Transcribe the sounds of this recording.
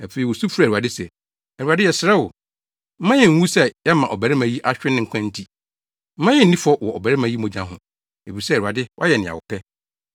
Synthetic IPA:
æ˨fe˨i˨wɔ˨su˦fu˦ɾa˨a˨dɪ˦sɛ˨ | ɛ˨u˨a˨dɪ˦jɛ˨sɪɾɛ˦wʊ˨ | m̩˦mã˦jɛ˨ŋ̩˦wũ˦sɛ˦jɛ˦mã˨ʔɔ˨bæ˨ɾɪ˦mã˨˦ji˦ʔa˦ɕᶣɪ˦nɪ̃˦ŋ̩˨kʷʰã˦n̩˦tʰi˨ | m̩˦mã˦jɛ˦n̩˨nĩ˦fɔ˦wɔ˨ʔɔ˨bæ˨ɾɪ˦mã˨ji˦mõ˨d͡ʑã˦ɦʊ̃˨ | e˨bi˨sɛ˦˨u˨a˨dɪ˦wʔa˦jɛ˨nɪ̃˨a̰˨ʊ̰˨pʰɛ˦

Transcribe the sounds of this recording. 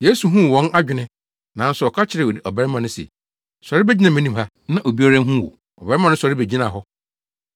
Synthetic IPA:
je˦su˨ɦũ˦˨wɔ̃˦nʔa˦d͡ʑᶣɪ˨nɪ̃˦ | nã˨˦n̩˦sʊ˨ɔ˨kʰa˦t͡ɕʰɪ˨ɾɪ˨o˨i˨ʔɔ˨bɛ˦ɾmã˨nʊ̃˦sḛ˨ | sa˨ɾɪ˦bɛ˦d͡ʑi˦nã˨mɛ̃˦nĩ˨mɦa˦ | nã˦ʔo˨bi˦ɔ˦ɾa˦ɦũ˦wɔ̰˨ | ɔ˨bɛ˦ã˨nʊ̃˦sɔ˨ɾɪ˦be˨d͡ʑi˦nã˨ɦɔ˦

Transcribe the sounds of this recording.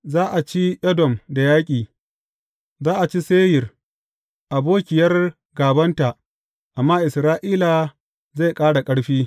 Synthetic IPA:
zaː˦ʔa˨t͡ʃi˦ʔɛ˦dɔ˨mda˨jaː˦kʲʼiː˨ | zaː˦ʔa˨t͡ʃi˦seː˦jɪ˨r | ʔa˨boː˦kʲɪ˨jɐ˦r | ɡaː˨bɐ˦nta˨ʔ | ʔa˨mːaː˦ʔɪ˨sɾaː˦ʔiː˦la˨ | za˦˨kʼaː˦ɽa˨kʼɐ˦ɽɸiː˦

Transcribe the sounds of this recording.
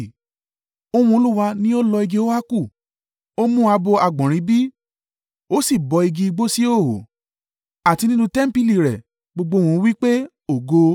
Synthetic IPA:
o˧w̃ũ˧o˧lu˦wa˧nĩ˦o˦lɔ˧i˧ɡe˧o˦a˦ku˦˨ | o˦mũ˦a˧bo˧a˧˨ɡ͡bɔ̃˨ɾ̃ĩ˨˦bi˦ | o˦si˦˨bɔ˨˧i˧ɡi˧i˧ɡ͡bo˦si˦o˦˨ho̰˨ | a˨ti˧nĩ˦nũ˧tɛ˦m̩˦pi˦˨li˨ɾɛ˨ | ɡ͡bo˧ɡ͡bo˧w̃ũ˨˧˦wi˦k͡pe˦ | o˨ɡo˧

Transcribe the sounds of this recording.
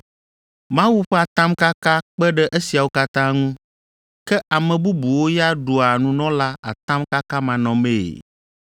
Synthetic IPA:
mã˦wu˦ɸɛ˦a˨t̪ã˦mka˦ka˦k͡pɛ˦ɖɛ˦ʔe˦si˨a˨wo˦ka˦t̪ã˦ŋũ˦ | kɛ˦ʔa˨mɛ̃˨bu˦bu˨wo˦ja˦ɖo˨a˨nũ˦nɔ̃˦la˦a̰˨t̪ã˦mka˦ka˦mã˨nɔ̃˨mḛ˦˨

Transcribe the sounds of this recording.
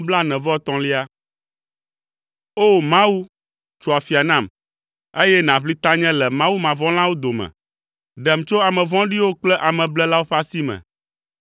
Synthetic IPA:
bla˦nɛ̃˨vɔ˦t̪ɔ̃˨˦li˦a˦ | o˦mã˦wu˦ | t͡ʃo˨a˨fi˨a˨nã˦˨m | e˦jɛ˦nã˨ɸli˦t̪ã˦ɲɛ̃˦lɛ˨mã˦wu˦mã˨vɔ̃˦l̃ã˦wo˦d̪o˨mɛ̰̃˨ | ɖɛ˨m˨t͡ʃo˦a˨mɛ̃˨vɔ̃˦ɖi˦wo˦k͡plɛ˦ʔa˨mɛ̃˨blɛ˦la˦wo˦ɸa˦si˦mɛ̰̃˨

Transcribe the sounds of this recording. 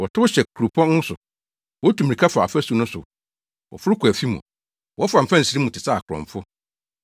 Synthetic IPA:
wɔ˨tʰʊ˦ʊ˦ɕɛ˨kʰu˨ɾu˨pʰɔ̃˦nʊ̃˦sʊ˨ | wɔ˦tʰu˨m˨ĩ˨kʰa˦fa˨a˨fæ˦su˨nʊ̃˦sʊ̰˨ | wɔ̰˨fʊ˦ɾʊ˦kʰu˨æ˨fi˦mṵ̃˨ | wɔ˦fa˨m̩˨fã˦n̩˨si˦ɾi˦mũ˨tʰɪ˨sa˦˨kʰʊ˨ɾɔ̰̃˨ɱ˨fʊ˦

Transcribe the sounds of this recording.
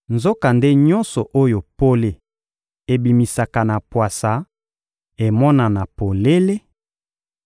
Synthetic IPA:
nzo˦ka˨nde˦ɲɔ˦nsɔ˨ʔo˦jo˨po˦le˨ | e˨bi˨mi˨sa˨ka˨na˨pwa˨sa˨ | e˨mɔ˦na˨na˨po˨le˦le˦

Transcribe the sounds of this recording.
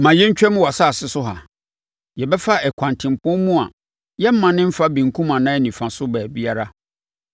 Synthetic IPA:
mã˨jɛ˦ɲ̩˦t͡ɕᶣɛ˦mʊ̃˦wa˨sa˦˨sɪ˦sʊ˦ɦa̰˨ | jɛ˨bɛ˦fa˦ɛ˨kʰʷã˨ntʰɪ̃˨m˨pʰʊ̃˦mũ˦a˨ | jɛ˦m̩˦mã˨nɪ̃˦m̩˦fa˦bĩ˨ŋ˨kʰũ˦mã˨nã˦ɛ˦nĩ˨fã˨sʊ˦bæ˨bi˦a˦ɾa˦

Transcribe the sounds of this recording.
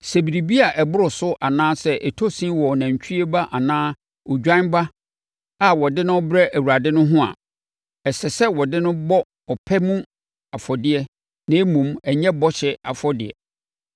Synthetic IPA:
sɛ˨bi˨ɾi˨bi˦a˨ʔɛ˨bʊ˦ɾʊ˨sʊ˦ʔa˨nãː˦sɛ˦ʔɛ˨tʰo˦sĩ˦wɔ˨nã˨ɲ˨t͡ɕʰᶣi˦i˦e˦ba˦ʔa˨nãː˦ | ɔ˨d͡ʑᶣã˦n˦ba˦ | a˦wɔ˨dɪ˦nʊ̃˦ɔ˦bɾɛ˦ʔæ˨wu˨ɾa˨dɪ˦nʊ̃˦ɦʊ̃˦a̰˨ | ɛ˨sɛ˨sɛ˦wɔ˨dɪ˦nʊ̃˦bɔ˦ | ɔ˨pʰɛ˦mũ˦ | a˨fɔ˨dɪ˦ɛ˦ | nã˨˦e˦mũ˨mɛ˨ɲɛ̃˦bɔ˦ɕɛ˨a̰˨fɔ˦dɪ̰˨ɛ̰˨

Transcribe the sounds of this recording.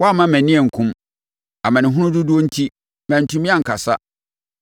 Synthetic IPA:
wɔ˦a˦˨mã˦mæ̃˨nɪ̃˦ɛ˨ŋ̩˨kʰʊ̃˦m | a˨mã˨nɪ̃˨ɦʊ̃˦nʊ̃˦dʊ˦du˦o˦n̩˦tʰi˦ | mæ̃˨n̩˨tʰũ˦mĩ˦ã˦ŋ̩˨kʰa˨sa˦

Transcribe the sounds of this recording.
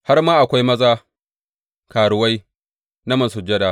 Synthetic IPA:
ha˦rmaː˦ʔa˨kʷa˦jmɐ˦zaː˦ | kaː˨ɽʊ˨wa˦j | na˦mɐ˨sʊ˨d͡ʒɐ˦daː˨

